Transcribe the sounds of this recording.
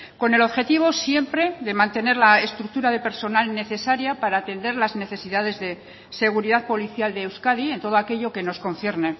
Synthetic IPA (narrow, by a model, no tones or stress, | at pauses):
ko̞ne̞lo̞βxe̞t̪iβ̞o̞sje̞mpɾe̞ðe̞mãnt̪e̞ne̞ɾlaest̪ɾuk̚t̪uɾaðe̞pe̞ɾso̞nalne̞θe̞saɾjapaɾaːt̪e̞nd̪e̞ɾlazne̞θe̞siðað̞e̞zðe̞ | se̞ɣ̞uɾiðaðpo̞liθjald̪eːwskaðie̞nt̪o̞ð̞oake̞ʎo̞ke̞no̞sko̞nθje̞ɾne